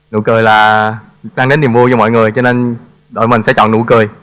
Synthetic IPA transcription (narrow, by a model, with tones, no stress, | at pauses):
nṵ˧˥kəː˨˩jlaː˨˩ | ɗaː˧ŋɗe˨˦nːi˨˩əmvu˧t͡ɕɔ˧mɔ̰˧˨jŋɨ˨˩əjt͡ɕɔ˧ne˧n | ɗo̰˧˨jmï˨˩ŋ̟sɛ̰˧˥t͡ɕɔ̰˧˨nːṵ˧˩˦kəː˨˩j